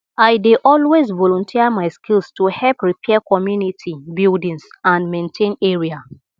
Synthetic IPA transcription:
aɪdeʔɔlwezvɔlɔ̃ntʰiamaɪskʰilstuhɛpɹipʰɛakɔmjunitʰibildĩnsãnmẽntʰẽneɹia

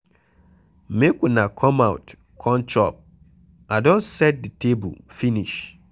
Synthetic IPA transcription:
mekunakʰɔmawt | kʰɔ̃nt͡ʃɔp̚ | adõnsɛt̚ditʰebṵfiniʃ

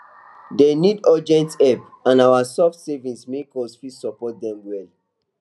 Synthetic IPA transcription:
denidɔd͡ʒɛ̃ntɛp | ãnawasɔftsevĩnsmekɔsfɹisɔpɔt̚dɛ̃mwɛl

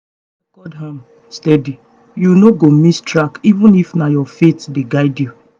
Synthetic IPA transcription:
ɡ̥ɔdɦãm | stɛdi | junoɡomistɹakivũnifnajɔfetdeɡaɪdju

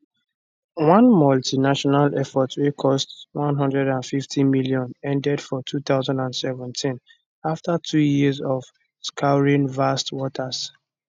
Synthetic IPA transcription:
wãnmɔltʰinaʃɔnalɛfɔtʰwekʰɔstwãnɦʌ̃ndɹɛdãnfiftʰĩmiliɔ̃nɛ̃ndɛdfɔtʰuθaʊzãndãndsɛvɛ̃ntʰĩn | aftatʰujizɔv | skʰaʊɹĩnvastwɔtʰas

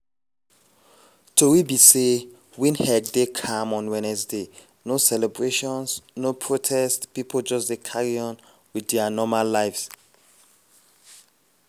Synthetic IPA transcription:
tʰuwibise | wĩnhɛɡ̚dekʰãmɔ̃nwɛ̃nɛsde | nosɛlɛbɹeʃɔ̃nsnopʰɹotʰɛstpipʰold͡ʒɔsdekʰaɹiɔ̃n | widɛanɔmalːaɪfs

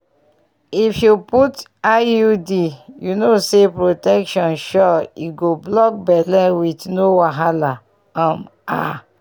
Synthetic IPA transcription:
ifjuputajudijunosepɹotɛkʃɔ̃nʃɔiɡoblɔk̚bɛlɛ̃witnowaɦala | ãm | a̰

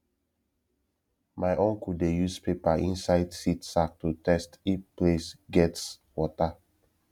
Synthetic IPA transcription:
maɪʔõnkudejuspepaʔḭ̃nsaɪdsitsak̚tutɛstiplesɡɛts | wɔta

